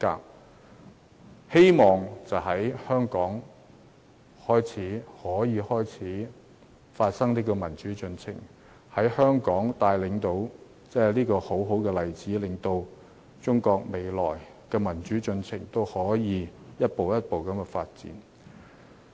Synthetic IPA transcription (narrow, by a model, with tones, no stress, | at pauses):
ka̰ː˧ | he˥jmɔː˨ŋt͡sɐ˨˩wɦɐ˨˥jhœː˥ŋkɔː˨˥ŋ | hɔː˥jt͡sʰiː˨˥hɔː˨˥jiː˨˧hɔː˥jt͡sʰiː˨˥ | faː˧t̚sɐ˥ŋliː˥kɔː˧mɐ˨˩nt͡ʃyː˨˥t͡sɵ˧nt͡sʰɪ̰˨˩ŋ | hɐ˨˥jhœː˥ŋkɔː˨˥ŋt̪aː˧jlɪ˨˥ŋt̪o˧w | t͡sɛː˥˩liː˥kɔː˧ho˨˥wɦo˨˥wkɛː˧lɐ˨jt͡siː˨˥lɪ˨ŋt̪o˧w | t͡sʊ˥ŋkɔː˧k̚me˨jlɔ̰ː˨˩j | kɛː˧mɐ˨˩nt͡ʃyː˨˥t͡sɵ˧nt͡sʰɪ˨˩ŋt̪o˥whɔː˨˥jiː˨˧jɐ˥t̚po˨wjɐ˥t̚po˨wkɐ˨˥mkɛ˧faː˧t̚t͡sḭː˨˥n